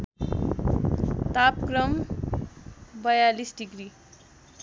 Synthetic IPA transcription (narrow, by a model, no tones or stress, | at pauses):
t̪apkrʌm | bʌjalisɖiɡɾi